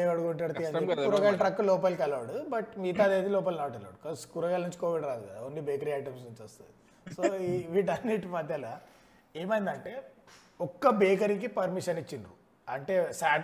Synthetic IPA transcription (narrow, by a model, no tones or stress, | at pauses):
eɐɽuɡoɳʈɐɽt̪iɐnekuɾɐɡaːlɐʈɾɐkːulɔːp̬ɐlkɛlʋaːɽubɐʈmiːt̪aːd̪eːd̪ilɔːp̬ɐlnaːʈɛlːa̰ːɽukɐskuɾɐɡaːlnuɲt͡ʃi̥koːʋiɽɾaːd̪uaonːibeːkɐɾiaːʈɐmsnuɲt͡ʃɐst̪und̪i | soːiʋiʈɐneːʈmɐd̪ʱjɐla | eːmɐjind̪ɐɳʈeː | ɔkːɐbeːkɐɾikipɐɾmiʂɐnit͡ʃːind̪u | ɐɳʈe̞saːʈ